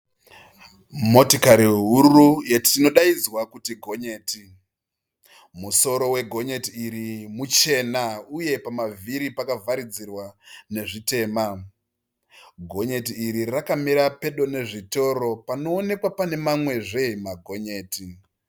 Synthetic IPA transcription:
mo̞tikaɾiɦurujetʰino̞ɗaid͡zwakutiɡʱo̞ɲe̞ːti | muso̞ɾo̞we̞ɡʱo̞ɲe̞tiːɾimut͡ʃe̞nauje̞pamaviɾipakavʱaɾid͡zirwane̞ʐite̞ːma | ɡʱo̞ɲe̞tiːɾirakamiɾape̞ɗo̞ne̞ʐito̞ɾo̞pano̞ːne̞kwapane̞mamwe̞ʐe̞imaɡʱo̞ɲe̞ːti

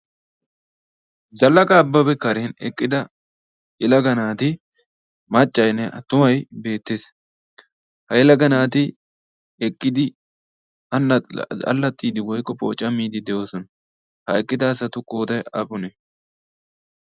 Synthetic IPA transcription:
zɐlːɐkʼɐːbːɐbɛkɐɾeːnɛ̰kʼːɪd̪ɐ | ɪlɐɡɐnaːt̪ɪ | mɐt͡ʃʼːɐjnːɛʔɐt̪ːʊmɐjbe̞ːt̪ːes | hɐɪlɐɡɐnaːt̪ɪ | ɛkʼːɪd̪ɪ | ɐnːɐɐ̰lːɐt̪ʼːiːd̪ɪwɔjkːɔpo̰ːt͡ʃʼːɐmiːd̪ɪd̪ɛjo̞ːsɔnɐ | hɐɛkʼːɪd̪ɐːsɐt̪ʊkʼoːt̪ɐjɐ̰pʼʊnɛ

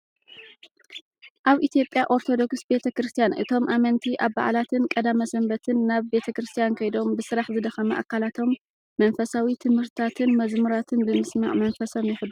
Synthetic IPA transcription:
ʔaβʔit̪ʰijo̞pʼjaʔo̞ɾt̪ʰo̞d̪o̞ksbe̞t̪ʰɐkɾɨst̪ʰijanʔɨ̰t̪ʰo̞mʔamɐnt̪ʰiʔaβba̰ʕlat̪ʰɨnkʼɐd̪amɐsɐmbɐt̪ʰɨnːaβbe̞t̪ʰɐkɾɨst̪ʰijankʰɐjd̪o̞mbɨsɨɾaħzɨd̪ɐxɐmɐʔa̰kʰːalat̪ʰo̞mː | ɐnfɐsawit̪ʰɨmhɨɾt̪ʰat̪ʰɨnmɐzmuɾat̪ʰɨnbɨmɨsma̰ʕmɐnfɐso̞mjɪħɨd̪u

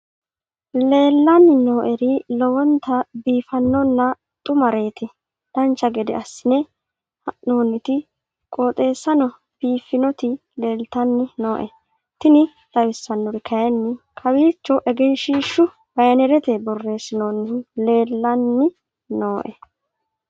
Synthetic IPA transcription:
le̞ːlːɐnːɪno̞ːʔɛɾɪlɔwɔnt̪ːɐbiːfɐnːɔnːɐ | t̪ʼʊmɐɾe̞ːt̪ɪ | d̪̥ɐnt͡ʃːɐɡɛd̪ɛ̰ɐsːɪnɛ | hɐʔnoːnːɪt̪ɪ | kʼoːt̪ʼe̞ːsːɐnɔ | b̥iːfːɪnɔt̪ɪ | le̞ːlt̪ɐnːɪnoːʔɛ̰ | t̪ɪnɪ | lɐwɪsːɐnːɔɾɪkʰɐjɐnːɪkʰɐwiːt͡ʃːɔʔɛɡɛnʃiːʃːʊ | bɐjɐnɛɾɛt̪ɛbɔrːe̞ːsɪnonːɪle̞ːlːɐnːɪ | no̞ːʔɛ

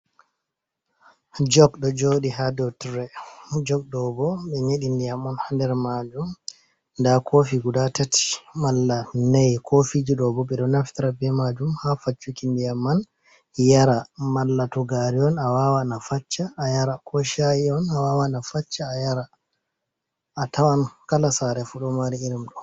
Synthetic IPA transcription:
d͡ʒɔɡɗɔd͡ʒoɗihadɔtɾɛd͡ʒɔɡ̚ɗɔbɔɓɛɲeɗindijamɔnhandɛɾmad͡ʒum | ndakʰofiɡudatati̥malːanajkʰofid͡ʒiɗɔbɔɓɛɗɔnaftiɾabɛmad͡ʒumhafat͡ʃːukindijamːan | jaɾamalːatɔɡaɾiɔnawawanafat͡ʃːaːjaɾakʰɔʃajiɔnawawanafat͡ʃːaːjaɾa | tawankalasaɾɛfuɗɔmaɾiiɾimɗɔ

